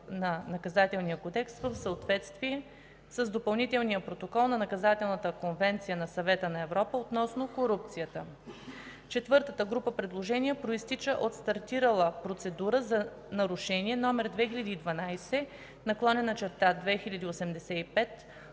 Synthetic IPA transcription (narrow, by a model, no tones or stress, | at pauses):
nɐnɐkɐzat̪ɛlˠnijəkod̪ɛkst̪vəfsəot̪vɛt̪st̪viɛ | səzd̪opɐlˠnit̪ɛlˠnijəpɾot̪okɔlˠnɐnɐkɐzat̪ɛlˠnət̪əkonvɛnt̪sijənɐsɐvɛt̪ənɐɛvɾɔpəot̪nɔsnokoɾup̚t̪sijət̪ə | t͡ʃɛt̪vɤɾt̪ət̪əɡɾupəpɾɛd̪lˠoʒɛniəpɾoist̪it͡ʃəʔot̪st̪ɐɾt̪iɾəlˠəpɾot̪sɛd̪uɾəzɐ | nɐɾʊʃɛniɛnɔmɛɾd̪vɛxilʲɐd̪iːd̪vɐnajsɛ | nɐklˠɔnɛnɐt͡ʃɛɾt̪ad̪vɛxilʲɐd̪iosɛmd̪ɛsɛipɛt̪